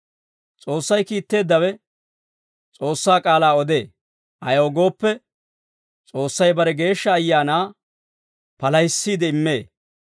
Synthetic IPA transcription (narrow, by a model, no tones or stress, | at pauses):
t͡sʼo̞ːsːɐjkiːt̪ːe̞ːd̪ːɐwɛ | t͡sʼo̞ːsːaːkʼaːlaːɔd̪e̞ː | ʔɐ̰jɔɡo̞ːpːɛ | t͡sʼo̞ːsːɐjbɐɾɛɡe̞ːʃːɐːjːaːnaː | pɐlɐjsːiːd̪ɛɪmːe̞ː